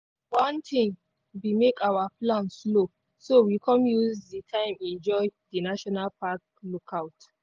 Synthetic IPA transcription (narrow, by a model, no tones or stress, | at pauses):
wãntʰĩŋ | wimekawaplãnslo | sowikʰɔ̃mjuzditʰãɪ̃mɛ̃nd͡ʒɔɪdinaʃɔnalpak | lokʰawt